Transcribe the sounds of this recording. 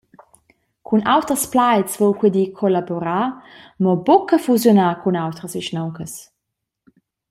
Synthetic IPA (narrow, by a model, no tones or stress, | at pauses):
kʰunawtəʁəsplajsvowxwidikʰolaboɾaːmɔbokəfuzjonaːkʰunawtʁəsiʃnowkəs